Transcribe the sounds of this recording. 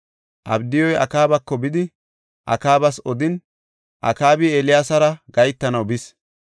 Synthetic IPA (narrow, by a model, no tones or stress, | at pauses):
ʔɐ̰bd̪ɪjɔjɐ̰kaːbɐkːɔbɪd̪ɪ | ʔɐ̰kaːbɐsɔd̪ɪn | ʔɐ̰kaːbɪeːlɪjaːsɐɾɐɡɐjt̪ːɐnɐwbɪs